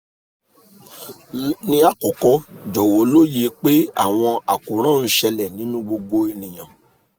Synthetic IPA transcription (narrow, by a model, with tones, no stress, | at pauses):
nĩ˧a˨kɔ˨kɔ˧˦d͡ʒɔ˨wo˨˦lo˦je˧k͡pe˦a̰˦˨w̃ɔ̃˧a˨kũ˨ɾ̃ã˦n̩˦ʃɛ˧lɛ˨nĩ˨˦nũ˦ɡ͡bo˧ɡ͡bo˧i˧nĩ˨j̃ã˨